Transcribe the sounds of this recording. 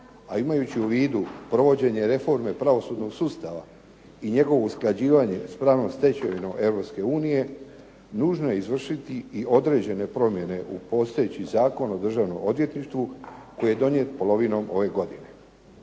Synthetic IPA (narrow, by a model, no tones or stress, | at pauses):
aimajut͡ɕiuʋiːd̪upɾo̞ʋo̞d͡ʑe̞ɲe̞ɾe̞fo̞ɾme̞pɾaʋo̞suːd̪no̞ɡsuːst̪aʋa̰ | iɲe̞ɡo̞ʋo̞usklad͡ʑiːʋaɲe̞̰spɾaːʋno̞mst̪e̞t͡ɕeʋino̞mʔe̞ʋɾo̞pske̞uːnije̞ | nuːʒnoje̞izʋr̩ʃit̪iiʔo̞d̪ɾe̞ːd͡ʑe̞ne̞pɾo̞mje̞ne̞ʔupo̞ːst̪ajet͡ɕizaːko̞no̞d̪r̩ʒaːʋnomo̞d̪ʋje̞t̪niʃt̪ʋuko̞jije̞d̪o̞ɲjet̪po̞lˠo̞ʋino̞mo̞ʋe̞ɡo̞d̪ine̞